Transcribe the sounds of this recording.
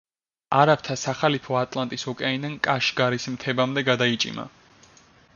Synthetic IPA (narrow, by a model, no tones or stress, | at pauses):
aɾap̚t̪ʰasaχalipʰɔat̪ʼlˠant̪ʼisɔkʼaind̪ankʼaʃɡaɾismt̪ʰɛbamd̪ɛɡad̪ait͡ʃʼḭma̰